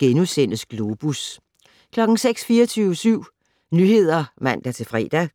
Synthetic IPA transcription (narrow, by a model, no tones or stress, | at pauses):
ɡ̥enusen̰əsɡ̥lo̝b̥us | kʰlɒ̽ɡ̥ŋ̩seɡ̥sfiːɐt͡sʰyʊsyʊ̰ | nyhe̝ð̞̰ˠɐmæn̰d̥æt͡sʰe̝fʁɛ̰ːd̥æ